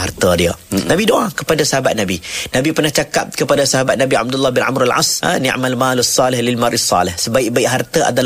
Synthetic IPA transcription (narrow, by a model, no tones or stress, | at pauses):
art̪ədiənabidoʔakəpadasaɦabat̪̚nabinabipərnaht͡ʃakap̚kəpadasaɦabat̪̚nabia̰b̚dulːabinʔa̰mɾalʕa̰snḭ̃ʔmalmalasːɑlɪhlɪlmaɾʔisˤːɑ̰lɪhsəbaɪʔ̚baɪʔɦart̪əʔa̰dal